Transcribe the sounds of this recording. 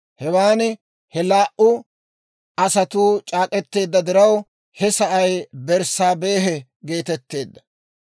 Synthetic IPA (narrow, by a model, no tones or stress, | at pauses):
hɛwaːnɛ | hɛlaːʔʊ | ɐsɐt̪uːt͡ʃʼaːkʼɛt̪ːe̞ːd̪ːɐd̪ɪɾɐw | hɛsɐʔɐjbɛɾsaːbe̞ːɦɛ | ɡe̞ːt̪ɛt̪ːe̞ːd̪ːɐ̥